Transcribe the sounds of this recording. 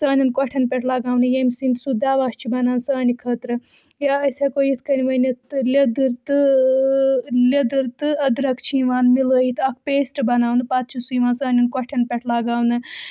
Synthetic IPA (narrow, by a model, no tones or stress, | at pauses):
sɐːnʲinkɔʈʰɐnpʲɛʈʰlɐɡaːwnɨjemʲsint̪sud̪aːʋaːst͡ʃʰibɐnaːnsɐːnikʰɐt̪ɾɨ | jaɐsʲekojit̪ʰkɐniʋɐnɐt̪lʲɐd̪ɨɾt̪ɨ | lʲɐd̪ɨɾt̪ɨɐd̪ɾɐkʰt͡ʃʰiːʋaːnmiləit̪ɐk̚ʰpeːsʈɨbɐnaːwnɨpat̪̚t͡ʃʰisujʋaːnsɐːnʲinkɔʈʰɐnpʲeʈʰlaɡaːwnɨ